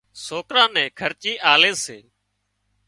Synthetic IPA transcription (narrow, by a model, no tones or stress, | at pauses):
soːkɾãːnɛ̃ːkʰəɾt͡ʃiːʔaːleːseː